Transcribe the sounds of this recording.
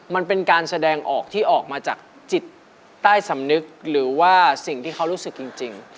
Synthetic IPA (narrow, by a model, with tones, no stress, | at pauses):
ma˧npe˧nkaː˧nsa˧dɛː˧ŋʔɔ̰ː˨˩k̚t̪ʰiː˥˩ʔɔː˨˩k̚maː˧t͡ɕaː˨˩k̚ | t͡ɕi˨˩t̪ː | aː˥˩jsa˩˦mnɯ˦˥k̚ɾɯː˩˦waː˥˩si˨˩ŋt̪ʰiː˥˩kʰa˦˥wɾuː˦˥sɯ˨˩k̚t͡ɕi˧ŋt͡ɕi˧ŋ